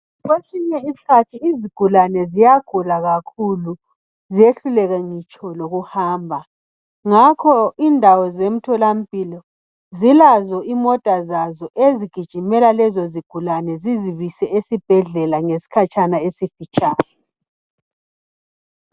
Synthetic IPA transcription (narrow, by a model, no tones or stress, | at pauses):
ɣesiɲɛisi̥kʰatʰiːziɡ̥ʱulanɛzijaɡ̥ʱulaɣakʰulu | zieɬulɛɣɛŋit͡ʃʼɔloɣuhaːmbʱa | ŋakʰɔindʱawɔzem̩tʰɔlam̩pʼilɔ | zilazɔimɔd̥ʼʱazazɔʔeziɡ̥ʱid̥ʒ̥ʱimɛlalɛzɔziɡ̥ʱulanɛziziβisɛesib̥ʱɛɮɛlaŋesi̥kʰat͡ʃʼanaesifit͡ʃʼaːjɔ